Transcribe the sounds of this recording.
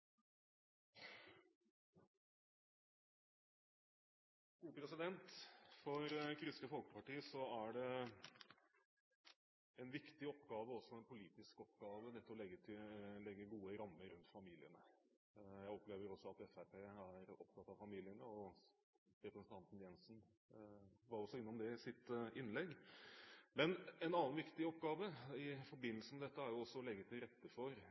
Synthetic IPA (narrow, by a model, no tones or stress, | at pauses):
ɡ̥uːpɾɛsɪd̪ɛnt̪fɔɾkʰɾʏsk̪əfɔlkə̥pɑʈiːəsɔæɖɛ | ɛnʋɪkt̪ɪɔpɡɑːʋəɔsːɔɛnpʰʊliːt̪ɪskɔpɡɑːʋənɛt̪ːɔɔlɛɡːət̪ʰɪlɛɡːəɡuːəɾɑmːəɾʉnt̪fɑmiːlɪənə | jæɪɔpleːʋəɾɔsːɔɑt̪ɛfæɾpeːæɾɔpt̪ʰɑt̪ːɑʋfɑmiːlɪənəɔ | ɾɛpɾsən̩t̪ɑnt̪n̩jɛnsn | ʋɑɾɔsːɔɪnːɔmd̪ɛsɪt̪ʔɪnːlɛɡː | mɛnɛnɑnːənʋɪkt̪ɪɔpɡɑːʋəɪfɔɾbɪnːl̩səəmɛd̪ɛt̪ːəæɾjʊɔsːɔɔlɛɡːət̪ʰɪlɾɛt̪ːəfɔɾ